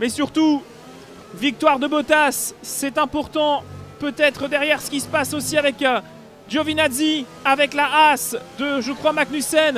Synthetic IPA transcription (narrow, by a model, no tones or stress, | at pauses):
mɛsyʁt̪u | vik̚t̪waʁd̪əbɔt̪asːɛt̪ɛ̃pɔʁt̪ɑ̃pøt̪ɛt̪χəd̪ɛʁjɛʁsə̥kʲisə̥pasosiavɛk | d̪ʒovinazi | avɛklaasd̪əʒəkχwamaknysɛn